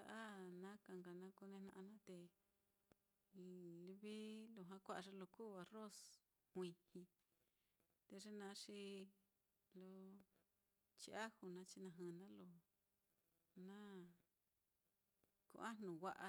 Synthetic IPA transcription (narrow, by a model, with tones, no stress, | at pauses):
a˧ʔa˦nã˦ka˧˨ŋɡa˨nã˧ku˧nẽ˧nã̰˧ʔnã˦t̪e˧ | li˧βi˦lo˧ɦã˧kʷa˦ʔa˧ʐe˧lo˧ku˦˨βa˧ro˦s | hʷĩ˧hĩ˧ | t̪e˧ʐe˦nã˧˦ʂi˧ | lo˧ | t͡ʃi˧ʔa˦hu˨nã˧t͡ʃi˧nã˧ɦɨ̃˧˨nã˦lo˧˨ | nã˦ | kṵ˧˨a˦nũ˨wa˧ʔa˧